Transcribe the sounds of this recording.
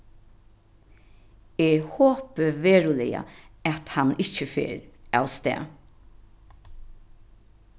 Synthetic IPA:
eːhoːpəʋeːɹʊlɪja̰æt̪hanɪt͡ʃəfḛːɾawst̪ɛ̰ː

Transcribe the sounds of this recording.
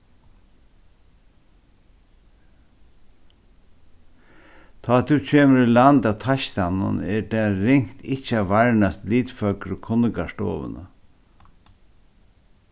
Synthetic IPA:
t̪ʰɑːd̪ʉːc͡çʰeːməɾɪlɑnd̪ɑt̪ʰɑçt̪ɑnə̰nɛːɖɛɾɪŋt̪ʰɪçəɑʋæɹɳɑst̪liːd̪fœkɾokʰʊnəɡɑʂʈo̰ːʋə̰nə̰

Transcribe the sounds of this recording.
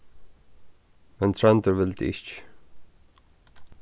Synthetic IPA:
mɛnt̪ʰɹɛnt̪əɹʋɪlt̪ɪ̰t͡ʃ

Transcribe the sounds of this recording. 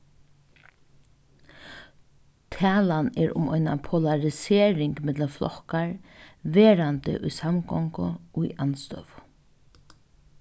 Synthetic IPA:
t̪ʰɛːlanɛɹʊ̰mɔʏna̰pʰɔlaɹɪseːɾɪŋkmɪt̪ləflʔɔ̰hkaɹʋeːɾant̪ə̰ʔʊjsamɡɔŋkʊʊiʔanst̪œ̰ʋʊ

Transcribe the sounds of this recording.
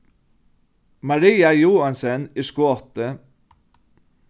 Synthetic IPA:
mɑɾiːɑjuːɑnsəniːskuːɔt̪ə

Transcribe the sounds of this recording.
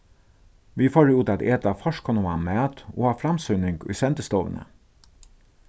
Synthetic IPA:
ʋiːfoːɖeʉːt̪ɑt̪eːt̪ɑfɔʃkʰɔnʊɑ̰ːmeːt̪o̰ːhɑːfɾɑmsʉnɪŋɡʉ̰sɛnt̪əst̪oːʋə̰nə̰

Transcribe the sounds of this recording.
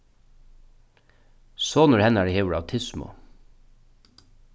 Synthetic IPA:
soːnʊɾhɛnæːɖeheːʋəɽɑʋt̪ʰɪsmʊ̰

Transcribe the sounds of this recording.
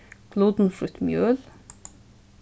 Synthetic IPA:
kʰluːd̪n̩fɾʉt̪mjøːl

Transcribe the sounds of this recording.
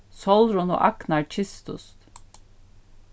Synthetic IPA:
sɔlˠɾʊno̰ːʔɑknɑɹt͡ʃʰɪst̪ʊ̰st̪

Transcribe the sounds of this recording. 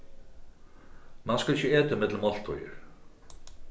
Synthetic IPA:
manskalɪcːəɛːt̪aɪmɪt̪ləmɔl̥t̪ɔ̰jʏ̰ɾ̥

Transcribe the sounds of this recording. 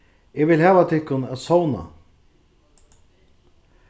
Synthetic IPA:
ɛɡʋɪlhɛːvat̪ʰɪkːʊnaðsowna̰

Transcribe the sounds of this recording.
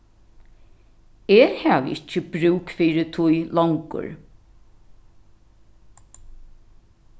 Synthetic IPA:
eːhæːʋɪt͡ʃːəb̥ɾʉːkfiːɾɪt̪ʰujlɔŋkʊ̰ɹ

